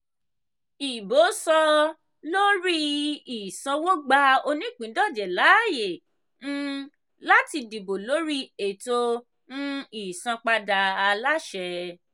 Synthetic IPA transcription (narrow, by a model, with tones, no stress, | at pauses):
i˨bo˨˦sɔ˧ | lo˦ɾi˦i˨sã˧wo˦ɡ͡ba˧˦o˧nĩ˦˨k͡pĩ˨˦dɔ˦˨d͡ʒɛ˨la˨˦˨je˨ | ñ̩˦ | la˦ti˧di˨bo˨lo˨˦ɾi˦e˨to˧ | nũ˦i˨sã˧k͡pa˧da˧a˧la˦ʃɛ˧